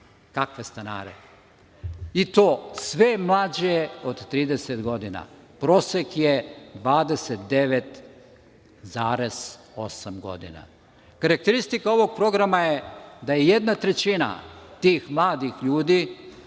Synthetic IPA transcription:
kakʋe̞st̪ana̰ːɾḛ | it̪o̞ːsʋe̞mlˠaːd͡ʑo̞d̪t̪ɾiːd̪eset̪ɡo̞d̪ina̰ | pɾo̞ːsekjed̪ʋaːd̪eset̪d̪e̞ʋet̪ | zaːɾe̞z̥ | o̞samɡo̞̰d̪ḭna̰ | kaɾak̚t̪eɾist̪ikao̞ʋo̞ɡ̥̚pɾo̞ɡɾamajed̪ajeje̞d̪nat̪ɾe̞t͡ɕina̰t̪iːxmlˠaːd̪ixʎuːd̪i

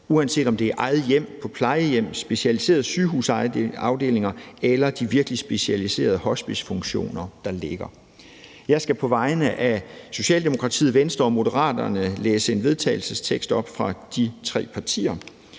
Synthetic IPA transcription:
uænse̝̰ːdɒ̽md̥e̝æʔɑ̈ɪð̞̩ˠjem̰pʰɒ̽pʰlɑ̈ɪəjem̰sb̥e̝ɕælise̝̰ːɐð̩ˠsyːɦuːsɑ̈ʊd̥e̝̰ːle̝ŋɐelɐd̥iʋiɐɡ̥əlisb̥e̝ɕælise̝̰ːɐð̞ˠəhɒ̽sb̥i̥sfɔŋɡ̥ɕo̝̰ːnɐd̥ɑ̈le̝ɡ̥ɐ | jɑ̈ɪsɡ̥æpʰɒ̽ʋɑ̈ɪnəʔæso̝ɕɛ̰ːld̥emo̝kʰʁɑ̈t͡sʰḭːð̩ˠʋensd̥ʁɐɒ̽mo̝dəʁɑ̰̈ːd̥ɐnəleːsəe̝nʋe̝ð̞ˠt͡sʰɛ̰ɪl̩səst͡sʰeɡ̥sd̥ɒ̽b̥fʁɑ̈d̥it͡sʰʁɛ̰ːpʰɑ̈t͡sʰḭːɐ

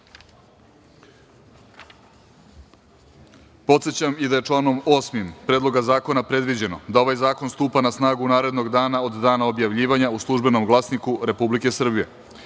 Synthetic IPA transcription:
po̞t̪se̞t͡ɕamid̪aje̞t͡ʃlˠaːno̞mo̞ːsmimpɾed̪lˠo̞ɡazaːko̞napɾe̞d̪ʋid͡ʑe̞no̞d̪aoʋajzaːko̞nst̪uːpanasnaːɡunaːɾe̞d̪no̞ɡd̪aːnaod̪d̪aːnao̞bjaʋʎiːʋaɲauslˠuʒbe̞no̞mɡlˠasnikuɾe̞publike̞sr̩bije̞̰

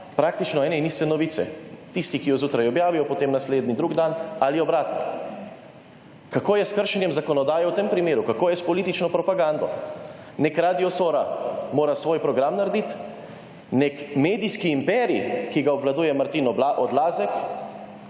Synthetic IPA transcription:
pɾaːkt̪it͡ʃnɔɛːnɛinist̪ɛnɔʋiːt̪sɛ̰t̪ist̪ikijɔzuːt̪ɾajɔbjaːʋijɔpɔt̪emnasleːd̪nid̪ɾuɡd̪analiɔbɾaːt̪nɔ | kakoːjɛskəɾʃɛnjɛmzakɔnɔd̪aːjɛwt̪empɾimeːɾukakoːjɛspɔlit̪it͡ʃnɔpɾɔpaɡand̪ɔ | nɛkɾad̪iɔsoːɾamoːɾasʋoːjpɾɔɡɾamnaɾd̪it̪ | nɛkmeːd̪iskiːmpɛːɾḭkiɡaɔbʋlad̪uːjɛmaɾt̪inɔʔɔd̪laːzɛk

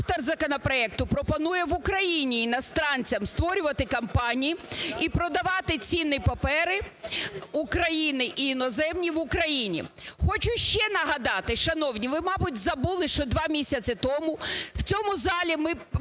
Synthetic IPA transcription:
ft̪ɔrzɐkɔnɐpɾɔɛk̚t̪ʊpɾɔpɔnujɛʋʊkɾɐjinʲiːnɐst̪ɾɑnʲt͡sʲɐmst̪ʋɔɾʲʊʋɐt̪ɪkɐmpɑnʲijiipɾɔd̪ɐʋɑt̪ɪt͡sʲinːɪpɐpɛɾɪ | ukɾɐjinɪʔiinɔzɛmnʲiʋʊkɾɐjinʲḭ | xɔt͡ʃʊʃt͡ʃɛnɐɦɐd̪ɑt̪ɪʃɐnɔwnʲiʋɪmɑbʊtʲzɐbulˠɪʃt͡ʃɔd̪ʋɑmʲisʲɐt͡sʲɪt̪ɔmʊw̥t͡sʲɔmʊzɑlʲimɪ

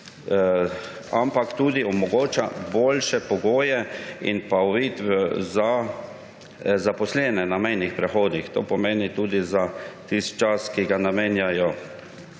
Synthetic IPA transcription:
ampakt̪uːd̪iɔmɔɡoːt͡ʃa̰boːlʃɛpɔɡoːjɛinpaɔʋiːt̪ʋɛza | zapɔslɛnɛnamɛjnixpɾɛxoːd̪ixt̪oːpɔmeːnit̪uːd̪izat̪ist̪̚t͡ʃaskiɡanameːnjajɔ

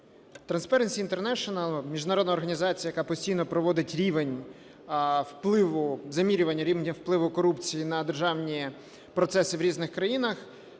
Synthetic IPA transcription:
t̪ɾɐnspɛɾenʲsʲiːnt̪ernɛʃɔnɐlˠmʲiʒd̪nɐɾɔd̪nɐɔrɦɐnʲizɑt͡sʲijɐjɐkɑpɔsʲtʲijnɔpɾɔʋɔd̪ɪtʲɾʲiʋenʲ | wplˠɪʋʊzɐmʲiɾʲʊʋɐnʲːɐɾʲiʋnʲɐwplˠɪʋʊkɔɾupt͡sʲijinɐd̪erʒɑwnʲi | pɾɔt̪sɛsɪʋɾʲiznɪxkɾɐjinɐx

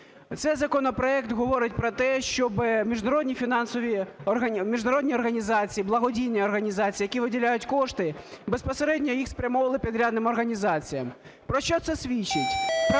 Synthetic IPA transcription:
t̪sɛzɐkɔnɔpɾɔɛkt̪ɣɔʋɔɾɪtʲpɾɔt̪ɛʃt͡ʃɔbɪmʲiʐnɐɾɔd̪ʲnʲifʲinɑnsɔʋʲiɐmʲiʒnɐɾɔd̪ʲnʲiɔrɣɐnʲizat͡sʲijːiblˠɐɦɔdʲijnʲːɐɔrɣɐnʲizat͡sʲiːjɐkʲiʋɪdʲilʲajʊtʲkɔʂt̪ɪbɛspɐseɾɛdʲnʲɔjixspɾʲɐmɔʋɐlˠɪpʲid̪ɾʲad̪nɪmɔrɣɐnʲizat͡sʲijɐm | pɾɔʃt͡ʃɔt̪sɛsʲʋʲit͡ʃːɪtʲ

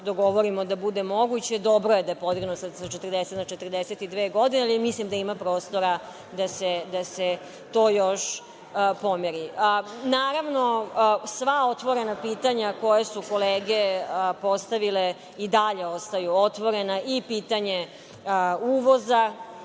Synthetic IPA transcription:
d̪oɡo̞ʋoɾimo̞d̪abud̪e̞mo̞ɡut͡ɕe̞d̪o̞bɾo̞je̞d̪ajepo̞d̪iɡnosasat͡ʃet̪ərd̪eset̪nat͡ʃet̪ərd̪eset̪id̪ʋeːɡo̞d̪inealimislimd̪aimapɾo̞ːst̪o̞ɾa | d̪ased̪ase | t̪o̞ːjoʃ | pomeɾiənaːɾaʋno̞sʋao̞t̪ʋo̞ɾe̞napiːt̪aɲako̞jasuko̞leːɡepo̞st̪aʋile | id̪aʎe̞o̞st̪ajuot̪ʋo̞ɾe̞naʔipiːt̪aɲe | uːʋo̞za

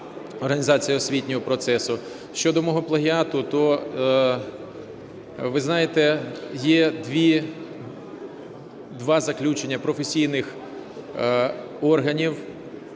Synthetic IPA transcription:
ɔrɦɐnʲizɑt͡sʲijɐɔsʲʋʲitʲnʲɔɦɔpɾɔt̪sɛsʊ | ʃt͡ʃɔd̪ɔmɔɦɔplˠɐɦʲiɑt̪ʊt̪ɔ | ʋɪznɑjet̪ɛjɛd̪ʋʲi | d̪ʋɑzɐklʲut͡ʃenʲːɐpɾɔfesʲijnɪx | ɔrɦɐnʲiw

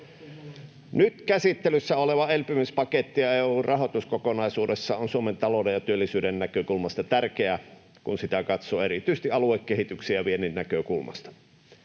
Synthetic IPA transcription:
nyt̪kæsit̪ːelysːæoleʋɑelpymyspɑket̪ːijɑeuːrʔɑɦot̪uskokonɑisuːdesːɑonsuoment̪ɑloudejjɑt̪yølːisyːdennækøkulmɑst̪ɑt̪ærkeæ | kunsit̪ækɑt̪soːerit̪yist̪iʔɑluekːehit̪yksiæʋieninːækøkulmɑ̰st̪ɑ̥

